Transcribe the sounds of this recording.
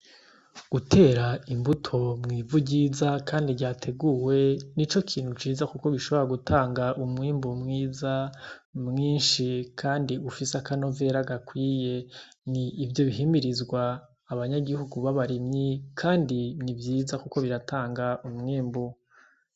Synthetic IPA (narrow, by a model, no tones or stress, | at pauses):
ɡ̥utʰe̞ːɾaimbutʰo̞mŋiːvuɟiːzakʰaːndiɾɟaːtʰe̞ɡuwe̞nit͡ʃo̞kʰiːn̥hut͡ʃiːzakuko̞βiʃo̞βoɾaɡutaːŋɡaʔumŋiːmbomŋiːza | mŋiːnʃikʰaːndiufiseakano̞ve̞ɾaɡakwiːje̞ | niːvjo̞βiɦimiɾizɡwaː | βaɲaɡihuɡuβaβaɾimɲikʰaːndinivjiːzakuko̞βiɾatʰaːŋɡaʔumŋiːmbo